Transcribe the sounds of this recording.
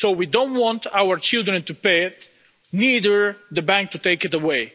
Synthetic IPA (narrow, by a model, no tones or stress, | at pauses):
sowidõntwɑ̃ntawə˞t͡ʃɪlˠd̪ɹɨ̃nt̪upeɪt | nidə˞ðəbæ̃ŋk̚t̪ut̪eɪkɨtəweɪ